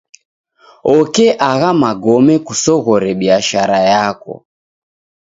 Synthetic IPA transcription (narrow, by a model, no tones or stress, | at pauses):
ɔkɛʔaɣamaɡɔmɛkusɔɣɔɾɛɓiaʃaɾajakɔ̰